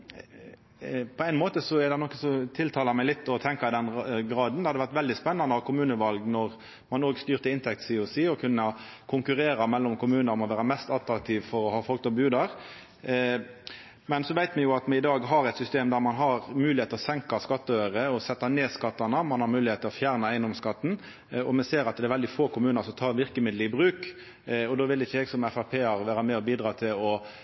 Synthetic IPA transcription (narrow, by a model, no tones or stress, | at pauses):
pʰɔæɪnmoːt̪əsɔɛɾd̪ɛnɔkːəsɔt̪ʰɪlt̪ʰɑːlɑmæɪlɪt̪ːɔt̪ʰɛŋkɑɪd̪ɛnɡɾɑːd̪n̩d̪ɛhɑd̪əʋæʁt̪ʋɛld̪ɪspɛnːɑnd̪əɑʋkʰʊmʉːnəʋɑlɡnɔʁ | mɑnoːɡst̪yːʁt̪əɪnt̪ʰɛk̚t̪siːʊsiːɔkʰʉnːə | kʰʊŋkʉʁeːɾɑmɛlːɔmkʊmʉːnəɾɔmɔʋæːɾəmɛst̪ɑt̪ɾɑk̚t̪ʰiʋfɔɾɔhɑːfɔlk̚t̪ɔbʉːd̪ɑɾ | mɛnsɔʋæɪt̪mɛjʊɑt̪mɛɪd̪ɑːɡɦɑɾɛt̪sʏst̪eːmd̪æːɾmɑnɦɑɾmʉːlɪheːt̪əɔsɛŋkɑskɑt̪ːəœʏəɾəɔsɛt̪ːɑneːskɑt̪ːɑnəmɑnhɑɾmʉːlɪheːt̪ʰːɛlɔfjæːʁnəæɪnd̪ɔmskɑt̪ːn̩ | ɔmɛseːɾɑt̪̚d̪ɛɾʋɛld̪ɪfoːkʰʊmʉːnəɾsɔmt̪ʰɑːɾʋɪɾkəmɪd̪lɪbɾʉːk | ɔd̪oːʋɪlɪçəɛɡsɔmɛfɑpʰeːɑɾʋæːɾəmɛɔbiːd̪ɾɑːt̪ʰɪlɔ